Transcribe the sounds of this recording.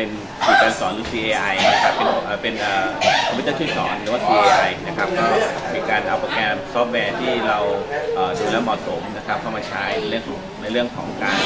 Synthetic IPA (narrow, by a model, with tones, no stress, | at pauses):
pe˧n | miː˧kaː˧nsɔː˩˦nɾɯː˨˦˥siː˧ʔeː˧ʔa˧jna˦˥kʰa˦˥pːe˧nʔaː˨˩pe˧nʔəː˨˩kʰa˧pʰi˦˥t̪aː˥˩t͡ɕʰu˥˩jsɔ̰ː˩˦nɾɯ˩˦waː˥˩sʰiː˧ʔeː˧ʔa˧jna˦˥kʰɾa˦˥p̚kɔː˥˩miː˧kaː˧nʔa˧wpɔ˧˩kʰɛː˧msɔː˦˥p̚wɛː˧t̪ʰiː˥˩ɾa˧wʔaː˨˩tu˨˩lɛː˦˥wmɔː˨˩t̪̚so˩˦mna˦˥kʰa˦˥p̚kʰa˥˩maː˧t͡ɕʰa˦˥jna˧jɾɯ˥˩əŋʰː˩˦ŋna˧jɾɯ˥˩əŋkʰɔː˩˦ŋkaː˧n